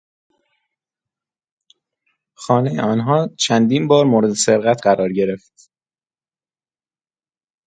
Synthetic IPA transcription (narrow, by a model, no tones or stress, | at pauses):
xɒːnejeɒːnɦɒːt͡ʃʰænd̪iːnbɒːɾmoːɾed̪ese̞ɾɣæt̪ʰɢæɾɒːɾɟe̞ɾe̞ft̪